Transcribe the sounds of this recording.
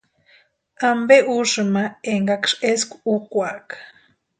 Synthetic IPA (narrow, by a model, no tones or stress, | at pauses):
ambeʔuʂɨmaeŋɡakʂeskʷu̥ukʷakḁ